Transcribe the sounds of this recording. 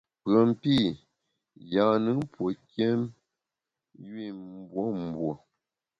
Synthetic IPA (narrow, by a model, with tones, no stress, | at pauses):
pɰə˨m˨pi˦˨ | ja˨nɨ˨˦ŋ˦pwo˨kɛ˦m | jwi˦˨m˨bwo˦m˨bwo˨